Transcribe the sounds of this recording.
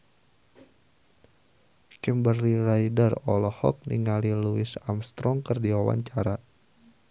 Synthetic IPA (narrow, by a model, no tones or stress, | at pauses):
kɛmbərlirajdərɔ̰lɔhɔ̰k̚niŋaliluɪsamst̪ɾɔŋkərdiwawa̰ɲt͡ʃaɾa